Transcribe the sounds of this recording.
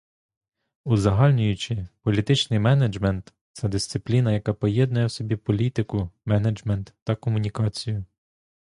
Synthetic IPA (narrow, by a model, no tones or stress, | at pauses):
uzɐɦɑlʲnʲʊjʊt͡ʃɪpɔlʲit̪ɪt͡ʃnɪjmɛned͡ʒmɛnt̪ | t̪sɛd̪ɪsʲt̪sɪplʲinɐjɐkɑpɔjɛd̪nʊjɛwsʲɔbʲipɔlʲit̪ɪkʊmɛned͡ʒmɛnt̪ːɐkɔmʊnʲikɑt͡sʲijʊ